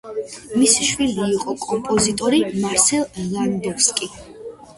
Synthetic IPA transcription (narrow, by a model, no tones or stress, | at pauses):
misi̥ʃwiliːqʼɔkʼɔmpʼɔzit̪ʼɔɾimaɾsɛlˠjand̪ɔfskʼi